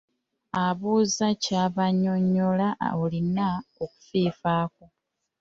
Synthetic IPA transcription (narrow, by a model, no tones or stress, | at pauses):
aβuːzacaβaɲo̞ɲːolaβulinaoku̥fiːfaːko